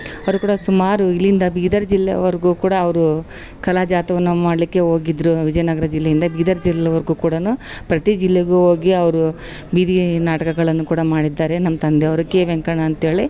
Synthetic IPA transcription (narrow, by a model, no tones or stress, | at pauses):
ɐʋɐɾukuːɽɐsumaːɾuilːind̪ɐbiːd̪ɐɾd͡ʒilːḛɐ̰ʋɐɾɡuːkuːɽɐːʋɐɾu | kɐlaːd͡ʒaːt̪ɐʋɐnːumaːɽlikːe̞ɦo̞ːɡid̪ɾuʋid͡ʒɐjnɐɡɐɾɐd͡ʒilːejind̪ɐbiːd̪ɐɾd͡ʒilːɛjɐʋɐɾɡuːkuːɽɐnupɾɐt̪id͡ʒilːeɡuɦo̞ːɡiɐʋɐɾu | biːd̪inaːʈɐkɐɡɐɭɐnːukuːɽɐmaːɽid̪ːaːɾe̞nɐmːɐt̪ɐnd̪eɐʋɐɾukːeʋeŋkɐɳɐːnt̪ɦe̞ːɭi